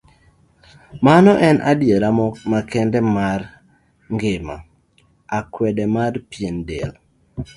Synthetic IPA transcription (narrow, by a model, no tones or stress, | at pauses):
manɔʔɛnʔadjeɾamɔmakɛndɛmar | ŋɡɪma̰ | akwɛdɛmarpjendel